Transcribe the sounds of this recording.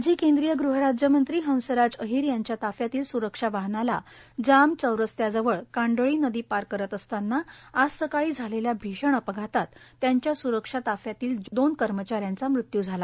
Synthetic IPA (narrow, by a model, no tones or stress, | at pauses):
d͡ʑiːkend̪ɾijəɡɾuɦəɾad͡ʑjəmənt̪ɾiːɦə̃w̃səɾad͡zəɦiːɾjaɲt͡ɕjat̪afjat̪iːlsuɾəkʂaʋaɦnalad͡zamt͡səwɾəst̪jad͡zəʋəɭkãɳɖəɭiːnəd̪iːpaɾkəɾət̪əst̪anːaːsəkaɭiːd͡zʱaleljabʱiɕəɳ̃əpəɡʱat̪at̪ːjaɲt͡ɕjasuɾəkʂat̪afjat̪iːld̪onkəɾmət͡ɕaɾjãnt͡samɾut̪jud͡zʱala